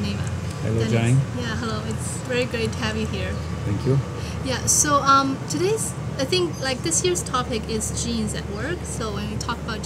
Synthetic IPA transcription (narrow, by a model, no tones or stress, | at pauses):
nẽɪ̃ma̰ | hɛ̰loɨ̃d͡ʒãɪ̃njæɦɛloʊɨts | vɛɹiɡɹeɪtʰɨhɨvjɨhiɹ | θʰɛ̃ŋkʰju | jæsoʊʌ̃mtʰɨdeɪz̥ | aɪθɪ̃ŋklaɪk̚ðɪsjɪɹz̥tʰɑpɪkɪzd͡ʒĩnzɨ̰t̚wɜ˞ksoʊwɨ̃nwitʰɔkəbaʊt̚